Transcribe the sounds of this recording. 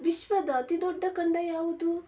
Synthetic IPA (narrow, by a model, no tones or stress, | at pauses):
ʋiʃʋɐd̪ɐːt̪id̪ɔɖːɐkɐɳɖɐjaːʋud̪u